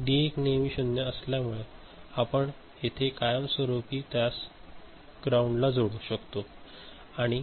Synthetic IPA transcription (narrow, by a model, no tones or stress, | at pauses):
ɖiekneʋiːɕunjəəsljamuɭe | apəɳ | et̪ʰekajəmsʋəɾupiːt̪jas | ɡ̥ɾauɳɖlad͡zʱoɽuɕəkt̪o | aɽ̃i